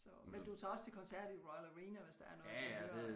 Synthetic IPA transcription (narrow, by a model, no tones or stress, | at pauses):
sɒ̽mend̥ut͡sʰɑ̈ɒ̽st͡sʰe̝lkʰɒ̽nsæɐ̰d̥iʁɔɪləʁiːnɐʋe̝sd̥æ̈æɐnɔ̽ðð̩̥ˠe